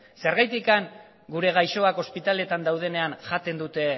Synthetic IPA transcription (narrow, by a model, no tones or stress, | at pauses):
se̞ɾɣajt̪ikaŋ | ɡuɾe̞ɣ̞ajʃo̞ako̞spit̪ale̞t̪and̪awð̞e̞ne̞anʝat̪e̞nd̪ut̪e̞